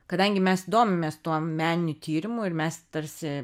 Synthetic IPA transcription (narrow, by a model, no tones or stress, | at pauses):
kɐd̪ɐŋʲɡʲɪmʲɛsd̪oːmʲɪmʲeːst̪uɔmʲæːnʲɪnʲʊt̪ʲiːɾʲɪmʊɪɾmʲɛst̪ɐɾʲsʲɪ